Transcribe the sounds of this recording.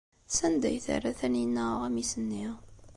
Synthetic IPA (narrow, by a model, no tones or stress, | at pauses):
sænd̪æ̰jθæ̰rːæθæninːæʁæmisənːiʁ